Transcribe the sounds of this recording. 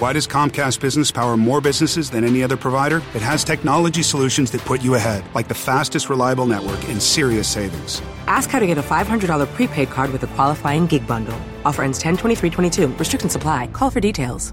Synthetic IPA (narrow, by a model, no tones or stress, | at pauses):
waɪɾʌz̥kʰɑ̃mkʰæst̚b̥ɪznɨspʰaʊə˞mɔɹbɪznɨsɨzðɨ̃ñɛniʌðə˞pʰɹ̥ɨvaɪɾə˞ɨt̚ɦɨz̥tʰɛk̚nɑlˠəd͡ʒisəlʉʃɨ̃n̩zðɨt̚pʰʊt͡ʃɨəɦɛdˡlaɪk̚ðɨfæstɨst̚ɹəlaɪəbl̩ˠnɛʔ̚wə˞kɨ̃nsɪɹiɨseɪvɪ̰̃ŋz̥ | ʔæskhaʊɾɨɡɛɾəfaɪv̥hʌ̃ndədɔlˠə˞pʰɹ̥ipʰeɪd̚kʰɑɹd̚wɨðɨkʰw̥ɑlˠəfaɪɪ̃ŋɡɪɡ̚bʌ̃ndl̩ˠ | ɔfə˞ɛ̃nz̥tʰɛ̃ntʰw̥ɛ̃iθɹitʰw̥ɛ̃ɾ̃itʰʉɹɨstɹ̥ɪk̚tn̩səpʰl̥aɪkʰɔlˠfə˞ditʰeɪlˠz̥